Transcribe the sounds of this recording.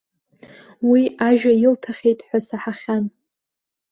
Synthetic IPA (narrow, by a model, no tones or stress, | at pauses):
wiaʒᶣajɪlpʰaχʲe̞jtʼħʷasaħaχʲan